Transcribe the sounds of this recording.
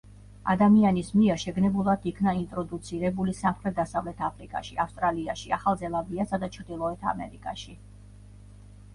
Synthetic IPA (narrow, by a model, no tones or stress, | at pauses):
a̰d̪amianismiɛɾʃɛɡnɛbulˠad̪ikʰnaint̪ʼɾɔd̪ut̪sʰiɾɛbulisamχɾɛt̪̚ʰd̪asavlɛt̪ʰapʰɾikʼa̰ʃḭafst̪ʼɾaliaʃiaχalˠzɛlˠabiasad̪at͡ʃʰɾd̪ilˠɔɛt̪ʰa̰mɛ̰ɾikʼaʃi